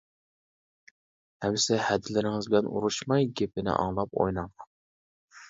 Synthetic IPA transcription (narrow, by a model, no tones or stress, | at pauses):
hɛmsɪhɛd̪ɪlɪɾɪŋɨzbɪlɛnṵɾuʃmɑjɡʲep̚ɪnɪ̰ʔɑ̰ŋlˠɑp̚o̰jnɑŋ